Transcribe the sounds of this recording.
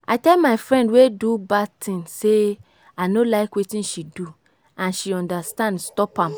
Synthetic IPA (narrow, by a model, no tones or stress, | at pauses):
ʔa̰ɪtɛlmaɪfɹɛ̃ndwedubatʰĩnse | aɪnolaɪkwetĩnʃidu | ãnʃiɔ̃ndastãndstɔpãm